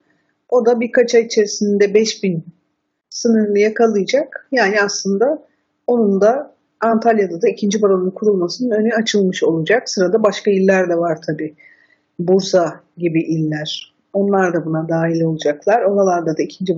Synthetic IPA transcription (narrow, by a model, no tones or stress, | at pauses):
o̞d̪abiɾkat͡ʃʰait͡ʃʰe̞ɾisinnd̪ɛbɛʃbin | sɯnɯɾlˠɯjakʰalˠɯjd͡ʒakjaːniaslˠɯnd̪a | o̞nund̪aː | nt̪ʰalʲjad̪ad̪aicʰind͡ʒibaɾonunkʰuɾulˠmasɯnɯnø̞nyat͡ʃʰɯlˠmɯʃo̞lˠud͡ʒaksɯɾad̪abaʃkailʲːæɾd̪ɛvaɾt̪ʰabi | buɾsa | ɟibiʔilʲːæɾ̥ | o̞nlˠaɾd̪abunad̪aːɦilʲo̞lˠud͡ʒaklˠaɾo̞ɾalˠaɾd̪ad̪aicʰind͡ʒi